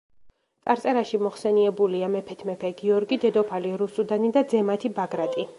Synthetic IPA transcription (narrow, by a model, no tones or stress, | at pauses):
t̪sʼaɾt̪ʼɛɾaʃimɔχsɛniɛbuliamɛpʰɛt̪ʰmɛpʰɛɡiɔɾɡid̪ɛd̪ɔpʰaliɾusud̪anid̪ad̪zɛmat̪ʰibaɡɾat̪ʼi